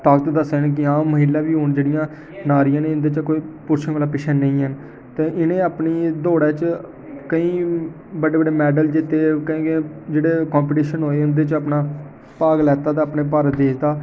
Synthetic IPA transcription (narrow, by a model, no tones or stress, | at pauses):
t̪aːkt̪d̪əseːnk̬ɪãːəɦiːlãːʋiːɦoːnd͡ʒeːɽɪjãː | naːɾɪjãːnẽːʊnd̪eːt͡ʃkoːiːpʊɾʃʰəŋʋəːlaːpɪʃʰaːnːəĩːɦən | t̪eːʔɪnẽːaːpniːd̪oːɽɛːt͡ʃ | kəĩː | bəɖeːbəɖeːmɛːɖəld͡ʒɪt̪ːeːkẽːked͡ʒeːɽeːkãːmp̬ɪʈiːʃənɦoːeːʊnd̪eːt͡ʃəpnaː | paːɡlɛːt̪aːd̪aːpneːpəɾd̪eːt̪aː